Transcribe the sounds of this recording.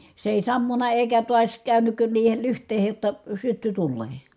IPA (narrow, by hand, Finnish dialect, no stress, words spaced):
se eˑi sɑmːunɑ eˑikæ tuɑs kæˑynyk niːhel lyhtˑeːhej jotːɑ sytːy tulːeː